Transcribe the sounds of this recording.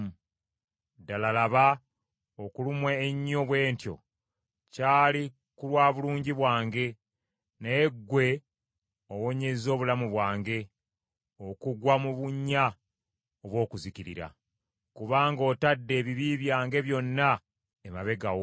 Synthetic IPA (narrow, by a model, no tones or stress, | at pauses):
dalalaβa | okulumweːɲːo̞βwe̞ːntjo̞̰ | caːli | kulwaːβuluːɲɟiβwaːŋɡe̞ | neeɡːwe̞ | owo̞ɲe̞zo̞ːβulamuβwaːŋɡe̞ | okuɡwamuβuɲːa | oβwo̞ːkuziciɾḭɾa̰ | kuβaːŋɡo̞ːtadːe̞ːβiβiβjaːŋɡe̞βjo̞nːa | emaβe̞ɡawo